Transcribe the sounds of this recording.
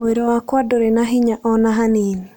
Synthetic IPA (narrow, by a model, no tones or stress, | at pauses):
oeɾɔakwadoɾenaɦɪɲaʔɔnaɦanɪni